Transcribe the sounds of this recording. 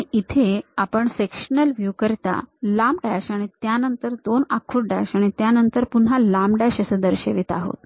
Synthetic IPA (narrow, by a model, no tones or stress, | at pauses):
iit̪ʰeapəɳsekʂənəlʋjukəɾt̪a̰lamɖaɕaɽ̃it̪janənt̪əɾd̪onakʰːuʈ̚ɖa̰ɕaɽ̃it̪janənt̪əɾpun̤ɦalamɖaɕəsəd̪əɾɕeʋit̪aɦo̰t̪̚